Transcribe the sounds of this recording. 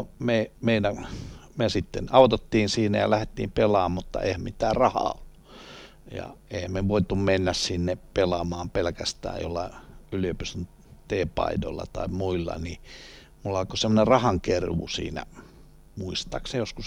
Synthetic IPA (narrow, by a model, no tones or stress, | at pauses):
nomemeinæmesit̪ːḛnɑut̪et̪ːiːnsiːnæjɑlæhet̪ːiːmpelɑːmmut̪ːɑ̰ḛihæmmit̪æːrrɑhɑ̰olːu | jɑ̰eˑihæmmeʋoit̪ummenːæssinːepelɑmɑːmpel̆kæst̪æ̰ːjjo̰lːɑyliøpysyn | t̪eːpɑ̰ido̰ilːɑ̰t̪ɑimmuilːɑ̰ni | mulːɑlkosemːŏnerɑhɑŋkerʋṵsḭːnæ̰ | muist̪ɑ̰ːksejoskus